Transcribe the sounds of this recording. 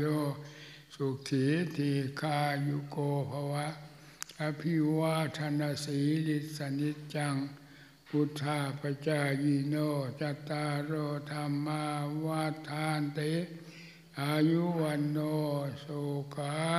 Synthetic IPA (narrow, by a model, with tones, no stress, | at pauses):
jo˧ | su˧˨k̚t̪ʰi˨˦t̪ʰi˧kʰa˧ju˧koːpʰa˧wa˦ | a˧pʰi˧waː˦˧t̪ʰa˧na˧si˨˦li˧t̪̚sa˧ni˦t̪̚t͡ʃa˧ŋ | u˧t̪ʰa˧pa˧t͡ʃa˧ji˧no˧t͡ʃa˧t̪ːa˧ɾoː˧t̪ʰa˧mːa˧wa˦t̪ʰːa˧nt̪e | aju˦wa˧nːo˧so˧ka˦